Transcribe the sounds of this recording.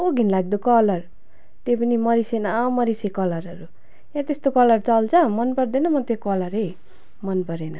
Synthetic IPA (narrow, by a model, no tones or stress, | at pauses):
oɡʱinlaɡ̚d̪okʌlʌr | t̪epʌnimʌɾisenamʌɾisekʌlʌɾʌɾu | jãt̪est̪okʌlʌrt͡sʌlt͡sʰʌmʌnpʌrd̪enʌmʌt̪jekʌlʌɾe | mʌnpʌɾenʌ